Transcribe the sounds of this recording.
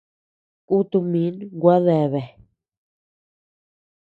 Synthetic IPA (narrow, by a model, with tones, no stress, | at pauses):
ku˦t̪u˧mĩ˨˦nɡʷa˦ðe˨βe˨